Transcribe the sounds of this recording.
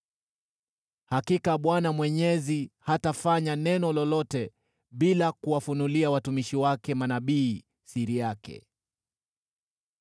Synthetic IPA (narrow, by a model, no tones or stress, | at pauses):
hakikaɓwanamwɛɲɛzihatafaɲanɛnɔlɔlɔtɛ | ɓilakuwafunuliawatumiʃiwakɛmanaɓiː | siɾijakɛ̰